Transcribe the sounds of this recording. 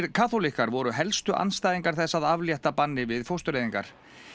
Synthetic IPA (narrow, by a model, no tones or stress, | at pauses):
ɾkʰaːθolihkaɾvɔɾʏɦɛlst̪ʏʔa̰nst̪ajðiŋkaɾ̥θɛsːaðavljɛht̪apanːɪvɪðfowst̪ʏɾejðiŋka̰ɾ̥